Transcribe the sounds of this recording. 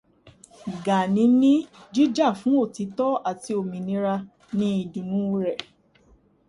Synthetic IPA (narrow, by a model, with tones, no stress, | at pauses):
ɡa˨nĩ˨˦nĩ˦d͡ʒi˦d͡ʒa˦˨fũ˨˦o˦˨ti˨˧˦tɔ˦a˦˨ti˧o˨mĩ˨nĩ˧˦ɾa˧ | nĩ˦i˧˨dĩ˨nũ˨˦˧ɾɛ˨